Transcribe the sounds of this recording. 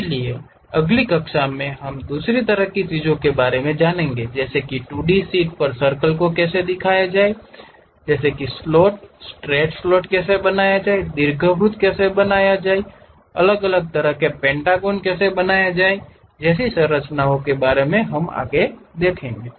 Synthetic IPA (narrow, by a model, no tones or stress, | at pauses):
lie | əɡlikəkʃamẽɦəmd̪uːsɾit̪əɾəɦkit͡ʃiːd͡ʒõkebaːɾemẽd͡ʒaːnẽːŋɡed͡ʒɛːsekiʈuːɖisiːʈ̚pəɾsəɾkəlkokɛːsed̪ɪkʰaːjad͡ʒaːe | d͡ʒɛːsekislɔːʈ̚sʈɾɛːʈslɔːʈkɛːsebənaːjad͡ʒaːed̪ɪɾɡʱəbɾʊt̪kɛːsebənaːjad͡ʒaːe | ɐ̰ləɡələɡ̚t̪əɾəɦkepɛ̃ːɳʈaːɡoːnkɛːsebənaːjad͡ʒaːe | d͡ʒɛːsisə̃ɾət͡ʃnaõkebaːɾemẽɦəma̰ːɡed̪eːkʰẽːŋɡeː